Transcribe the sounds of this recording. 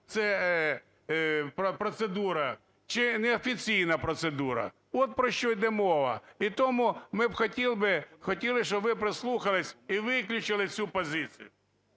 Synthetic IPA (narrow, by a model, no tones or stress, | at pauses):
t̪sɛ | pɔpɾɔt̪sed̪uɾɐ | t͡ʃɪnɛɔfʲit͡sʲijnɐpɾɔt̪sed̪uɾɐ̰ | ɔt̪̚pɾɔʃt͡ʃɔjd̪ɛmɔʋɐ̰it̪ɔmʊmɪbxɔtʲilˠbɪxɔtʲilˠɪʃɔbʋɪpɾɪslˠuxɐlˠɪsʲiʋɪklʲʊt͡ʃɪlˠɪt͡sʲupɔzɪt͡sʲḭjʊ